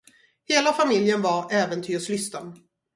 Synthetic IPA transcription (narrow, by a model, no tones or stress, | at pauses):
heːlafamɪljənvaɾɛːvənt̪ʰyːslʏst̪an